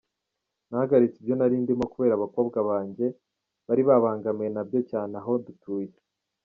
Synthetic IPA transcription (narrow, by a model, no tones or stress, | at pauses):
nahaɡaɾit͡sibjo̞naɾiːndimo̞kuβe̞ːɾaβako̞ːbɡaβaːɲɟe̞ | βaɾiβaβaːŋɡamjenabjo̞caːneaɦo̞dutuːje